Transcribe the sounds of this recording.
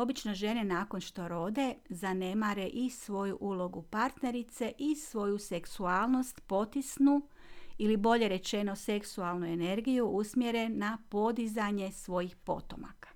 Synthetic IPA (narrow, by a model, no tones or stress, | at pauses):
o̞bit͡ʃno̞ʒe̞ne̞naːko̞nʃt̪o̞ɾo̞d̪e̞zane̞maɾe̞ʔisʋo̞juʔulo̞ɡupaɾt̪ne̞ɾit̪se̞ʔisʋo̞juse̞ksuaːlˠno̞st̪po̞t̪isnu | ilibo̞ʎe̞ɾe̞t͡ʃe̞no̞se̞ksualˠnue̞ne̞ɾɡijuʔusmje̞ɾe̞napo̞d̪izaɲe̞sʋo̞jixpo̞̰t̪o̞̰ma̰kḁ